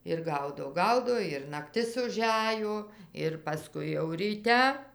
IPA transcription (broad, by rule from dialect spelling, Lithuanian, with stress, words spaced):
ɪr ˈɡɐʊdoː ˈɡɐʊdoː ɪr nɐkˈtʲɪs ʊˈʒʲæjoː ɪr pɐˈskʊɪ jɛʊ rʲiːˈtʲɛ